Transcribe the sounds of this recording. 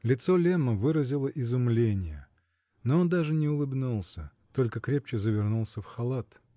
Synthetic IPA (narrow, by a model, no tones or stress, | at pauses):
lʲɪt̪so̞lʲeməvɨɾəzʲɪlˠəʔɪzʊmlʲenʲɪjə | noond̪aʐɨnʲɪʊlˠɨbnulˠsʲət̪o̞lʲkəkɾʲep̚t͡ɕɪzəvʲɪrnulˠsʲəfxɐlˠat̪